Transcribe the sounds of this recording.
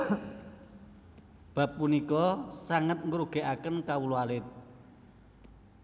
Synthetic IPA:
b̥a̤pːunikɔsaŋət̪̚ŋɾuɡ̥e̤ʔakənkawulualɪt̪̚

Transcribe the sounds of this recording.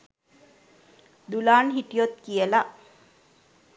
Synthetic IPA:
d̪ulaːnɦiʈijot̪kijəlaʔ

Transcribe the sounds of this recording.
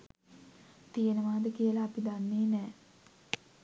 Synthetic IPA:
t̪ijenəʋaːd̪əkijəlaːpid̪anːeːnɛː

